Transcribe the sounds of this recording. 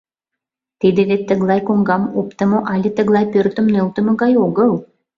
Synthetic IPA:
t̪id̪ĕβet̪ːə̆ɣlɑjkoŋɡɑmopt̪ə̆moʔɑlʲet̪ə̆ɣlɑjpørt̪ə̆mnølt̪ə̆mɤ̆ɣɑjoɣɤl

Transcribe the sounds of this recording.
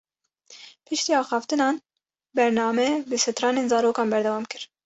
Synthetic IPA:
pʰɨʃt̪iːɑːxɑːft̪ɨnɑːn | bɛɾnɑːmɛbɨsɛt̪ɾɑːneːnzɑːɾoːkɑːnbɛɾd̪ɛwɑːmkɨɾ

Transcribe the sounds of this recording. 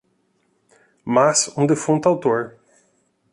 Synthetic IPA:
masũd̪efũt̪ʊawt̪oɾ

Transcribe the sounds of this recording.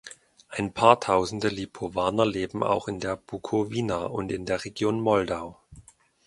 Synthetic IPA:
ʔaɪnpʰaːɐtʰaʊzn̩dəlipʰovaːnɐleːbm̩a̰ʊxɪndeːɐb̥ukʰoviːnaːʔʊntɪndeːɐʁeɡjoːnmɔldaʊ

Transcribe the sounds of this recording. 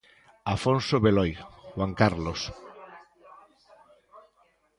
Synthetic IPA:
afonsoβelɔjxwaŋkaɾlos

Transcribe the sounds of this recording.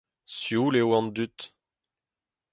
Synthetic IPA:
sjuːlewɑ̃nd̪yt̪

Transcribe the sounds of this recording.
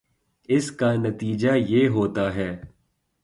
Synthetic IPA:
ɪskanɐt̪iːd͡ʒajeːɦoːt̪aɦɛː

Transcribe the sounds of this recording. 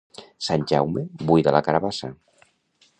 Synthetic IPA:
sanʲʒawmebujðəlakaɾaβasə

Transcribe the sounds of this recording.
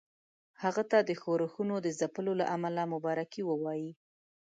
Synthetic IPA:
haɣat̪ad̪əxoɾəxunod̪əzapəlola̰ʔamalamʊbɑɾakiwəwɑji

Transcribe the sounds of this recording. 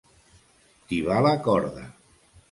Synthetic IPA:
t̪iβalakɔɾða̰

